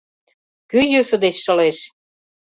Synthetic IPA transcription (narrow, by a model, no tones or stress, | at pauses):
kyjøsə̆d̪et͡ɕʃɤ̆leʃ